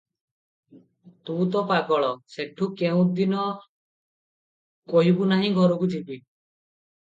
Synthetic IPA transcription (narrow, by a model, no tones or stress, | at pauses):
t̪ũt̪ɔpakɔɭɔseʈʰukeũd̪inɔ | kɔɦibunaɦĩɡʱɔɾɔkut̪ʰibi